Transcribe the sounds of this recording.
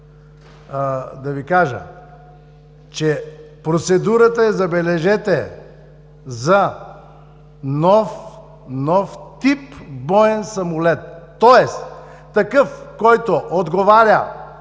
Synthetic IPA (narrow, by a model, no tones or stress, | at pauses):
d̪ɐvikaʒə̰ | t͡ʃɛ | pɾot̪sɛd̪uɾət̪əɛzɐbɛlɛʒɛt̪ɛ | zɐ | nɔf | nɔft̪ipbɔɛnsɐmʊlɛt̪ː | ɔɛs | t̪ɐkɤfkɔjt̪oʔod̪ɡovaɾʲə